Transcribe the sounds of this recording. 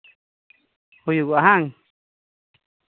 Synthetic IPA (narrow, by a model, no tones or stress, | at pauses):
hujuɡʷaɦaŋ